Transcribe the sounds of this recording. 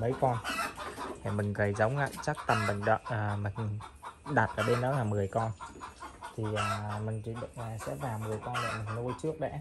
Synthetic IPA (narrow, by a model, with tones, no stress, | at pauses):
mə˨˦jkɔ˧n | hʰɛ˨˩mï˨˩ŋ̟ɣə˨˩jzə˨˦wŋ͡mʔa̰ː˧˨t͡ɕa˦˥k̚t̪ə˨˩mːï˨˩ŋ̟ɗə˧˨ʔəː˨˩mï˨˩ŋ̟ɗa˨˩t̚ʔəː˧˩ɓe˧nɗɔ˨˦laː˨˩mɨ˨˩əjkɔ˧n | t̪ʰi˨˩ʔəː˨˩mï˨˩ŋ̟t͡ɕḭ˧˨˩ɗə̰˧˨aː˨˩sɛ̰˧˥vaː˨˩wmɨ˨˩əjkɔ˧nlɛ̰˧˨mï˨˩ŋ̟lu˧jt͡ɕɨ˦˥ək̚ɗɛ̰˧˥